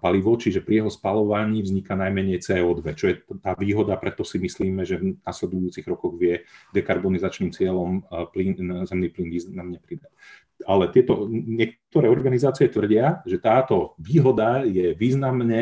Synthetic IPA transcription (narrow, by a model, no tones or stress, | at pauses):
paliʋɔt͡ʃiʒɛpɾijɛɦɔspalɔʋaɲiːvzɲikanajmɛɲɛjt͡sɛːɔːd̪ʋɛt͡ʃɔjɛt̪aːʋiːɦɔd̪apɾɛt̪ɔsimisliːmɛʒɛvnaslɛd̪ujuːt͡siɣɾɔkɔɣʋɪɛd̪ɛkaɾbɔnizat͡ʃniːmt͡sɪɛlɔmpliːnnzɛmniːpliːnʋiːzamɲɛpɾid̪ac | alɛt̪ɪɛt̪ɔɲɪɛkt̪ɔɾɛːɔɾɡanizaːt͡siɪɛt̪ʋr̩ɟɪaʒɛt̪aːt̪ɔʋiːɦɔd̪ajɛʋiːznamɲɛ